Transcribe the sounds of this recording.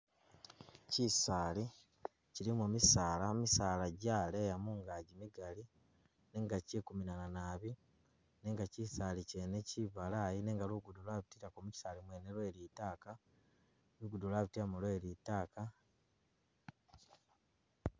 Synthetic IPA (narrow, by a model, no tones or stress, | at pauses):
cisaːli | cilimumisaːlamisaːlaɟaːlejamuŋɡaːɟimiɡali | ne̞ːŋɡacekuminananaːβi | ne̞ːŋɡacisalice̞neciβalajine̞ːŋɡaluɡudulwaβitiɾakomuci̥saːlimweːnelwe̞ːliːtaːka | luɡudulwaβitiamulwelitaːka